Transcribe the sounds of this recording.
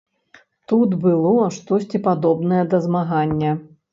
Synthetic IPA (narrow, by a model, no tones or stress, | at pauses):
t̪ut̪bɨlˠɔʂt̪ɔsʲt͡sʲipad̪ɔbnɐjɐd̪ɐzmaɣanʲːɐ